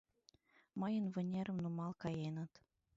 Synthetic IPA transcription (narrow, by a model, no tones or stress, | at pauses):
mɤ̆jənvɘ̆nʲeɾə̆mnumɑlˠkɑjenɤ̆t̪